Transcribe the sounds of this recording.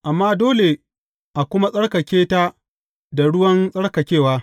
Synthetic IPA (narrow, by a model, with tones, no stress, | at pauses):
ʔa˨mːaː˦doː˦le˨ | ʔa˨kʷʊ˦ma˦sʼɐ˦ɽkɐ˨kʲeː˦ta˦ | da˨ɽʊ˦wɐ˦nsʼɐ˦ɽkɐ˨kʲeː˦˨waː˦